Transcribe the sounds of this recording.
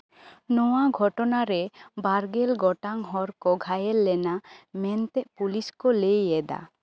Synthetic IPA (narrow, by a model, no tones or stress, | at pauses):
nɔwaɡʱɔʈɔnaɾɛbaɾɡɛlɡɔʈaŋɦɔɾkɔɡʱajɛlːɛnamɛnt̪ɛʔpuliskɔlejɛd̪a̰